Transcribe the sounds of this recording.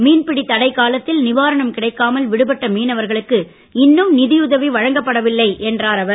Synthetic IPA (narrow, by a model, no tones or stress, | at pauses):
miːnpɪɽit̪ːɐɽɐɪkːaːlɐt̪ːɪlnɪʋaːɾɐɳɐmkɪɽɐɪkːaːmɐlʋɪɽɯpɐʈːɐmiːnɐʋɐɾɣɐɭɯkːɯ | ɪnːɯmnɪðɪjʊðɐʋiʋɐɻɐŋɡɐpːɐɽɐʋɪlːɐɪʔɛndraːɾɐʋɐɾ